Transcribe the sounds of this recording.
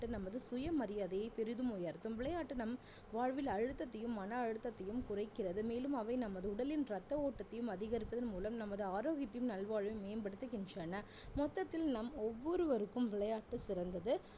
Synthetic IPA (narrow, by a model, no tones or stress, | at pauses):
ʈːɯnɐmːɐðɯsʊjɐmɐɾɪjaːðɐjɐɪpɛɾɯðɯmʊjaːɾɯt̪ːɯmʋɪɭɐjaːʈːɯnɐm | ʋaːɻʋɪlɐɻɯt̪ːɐt̪ːɐjɯmːɐnɐːɻɯt̪ːɐt̪ːɐjɯmkʊrɐɪkːɪrɐðɯmeːlɯmɐʋɐɪnɐmːɐðɯʊɽɐlɪnɾɐt̪ːɐoːʈːɐt̪ːɐjɯmɐðɪɣɐɾɪpːɐðɐnmuːlɐmnɐmːɐðɯaːɾoːɣɪt̪ːɐjɯmnɐlʋaːɻʋɐmeːmbɐɽɯt̪ːɯkːɛnd͡ʒanɐ | mɔt̪ːɐt̪ːɪlnɐmɔʋːɔɾɯʋɐɾɯkːɯmʋɪɭɐjaːʈːɯsɪɾɐnd̪ɐðɯ